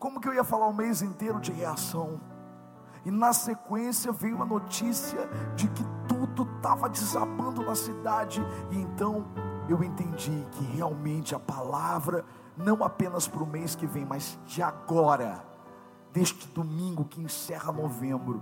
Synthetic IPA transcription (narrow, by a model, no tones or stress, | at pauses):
kõmʊkɪewiɐfalaɾũmejzẽnt̪eɾʊd͡ʒɪheasɐ̃w̃ | ɪnɐsekwẽsjɐvẽjũmɐnot͡ʃisiɐd͡ʒɪkɪt̪ud̪ʊt̪avɐd͡ʒɪzapɐ̃nd̪ʊnɐsid̪ad͡ʒɪɪẽnt̪ɐ̃w̃ewẽnt̪ẽnd͡ʒikʰɪheawmẽnt͡ʃɪɐpalavɾɐ | nɐ̃w̃apẽnɐspɾʊmejskɪvẽj̃mazd͡ʒɪaɡɔɾɐ̰ | d̪eʃt͡ʃɪ̥d̪omĩŋɡʊkɪẽsɛhɐnovẽmbɾʊ